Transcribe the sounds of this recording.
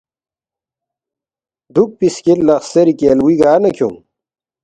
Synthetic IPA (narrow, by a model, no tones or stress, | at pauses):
d̪uk̚piskillːɐxseɾikeːlwiɡaːnɐkʰo̰m